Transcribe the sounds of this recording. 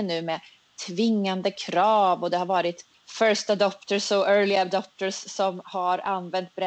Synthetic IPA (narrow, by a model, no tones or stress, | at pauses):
nʉ̟ːmɛ | t̪ʰvɪŋːand̪əkʰɾɑːvɔd̪ɛhaɾvɑːɾɪt̪ | fœɾʂt̪ad̪ɔpt̪əsɔœːlɪad̪ɔp̚t̪əsːɔmhaɾanːvɛnt̪̚bɾɛ